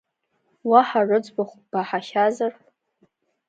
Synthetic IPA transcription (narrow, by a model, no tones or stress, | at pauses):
waħaʐɨd͡zʷʼbaχʷb̥aħaχazar